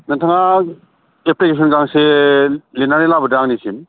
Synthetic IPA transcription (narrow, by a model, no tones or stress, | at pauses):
natʰaŋa | eplikes̬ɔnɡaŋse | linaɾelabɯdaŋnisim